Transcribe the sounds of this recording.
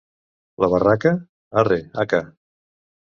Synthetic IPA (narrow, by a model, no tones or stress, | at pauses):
ləβarakə | areaka